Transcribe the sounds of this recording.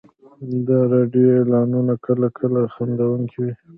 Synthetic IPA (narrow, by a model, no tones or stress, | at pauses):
d̪ɑɾɑɖjoelɑnunakʰəlakʰəlaxand̪awuŋkʰiwi